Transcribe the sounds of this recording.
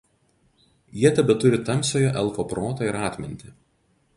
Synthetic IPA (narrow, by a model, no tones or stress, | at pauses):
jiɛt̪ʲɛbʲɛt̪ʊɾʲɪt̪ɐmʲsʲoːjoːʔɛlˠfopɾoːt̪ɐɪɾɑːt̪ʲmʲɪnʲt̪ʲɪ